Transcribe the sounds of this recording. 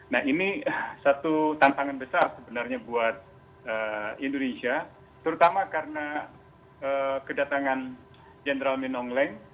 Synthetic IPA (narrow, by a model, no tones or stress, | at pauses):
nahinisat̪ut̪ant̪aŋanbəsarsəbənarɲabuat̪̚ | əindonesia | t̪əɾut̪amakarəna | əkədat̪aŋan | d͡ʒenɾalminɔŋlɛŋ